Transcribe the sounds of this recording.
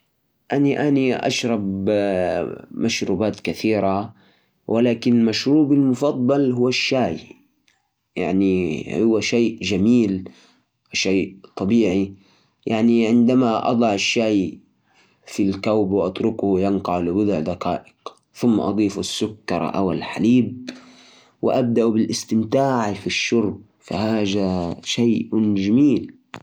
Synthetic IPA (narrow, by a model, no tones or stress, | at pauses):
ʔaniʔaniʔa̰ʃɾˤɑb | maʃɾuːbaːt̪kaθiːɾa | wʔɪlaːkɪnmaʃɾuːbɪlmʊfɑd̪ˤːɑlɦʊwːaʃːaːj | ja̰ʕnihuwaʃeːʔd͡ʒamiːl | ʃaːt̪ˤɑbiːʕi | jaʕniʕɪnd̪amaʔɑ̰d̪ˤɑʕɪʃːaːj | filkawbwɪʔɑt̪ɾʊkjanqɑʕlɪbʊd̪ʊʕd̪aqa̰ːʔɪq | θʊmːa̰ʔɑ̰d̪ˤiːfasːʊkːɑ̰ɾˤʔa̰wɪ̰lħaliːb̚ | wɪ̰ʔab̚d̪aʔbɪlʔɪst̪ɪmt̪aːʕfiʃːʊɾb̚ | fa̰haːʒaʃajʔd͡ʒamiːl